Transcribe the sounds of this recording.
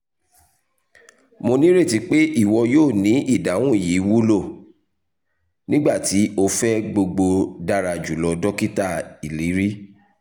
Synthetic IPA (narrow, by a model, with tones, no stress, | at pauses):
mo˧nĩ˦ɾe˦˨ti˨˧˦k͡pe˦ʔi˦˨wɔ˧joː˦˨nĩ˨˦ʔi˦˨da˨˦w̃ũ˦˨ji˨˦wu˦lo˦˨ | nĩ˦ɡ͡ba˦˨ti˨˦o˧fɛ˦ɡ͡bo˧ɡ͡bo˧da˦ɾa˧d͡ʒu˨lɔ˧dɔ˦ki˦ta˦˨i˨li˨˦ɾi˦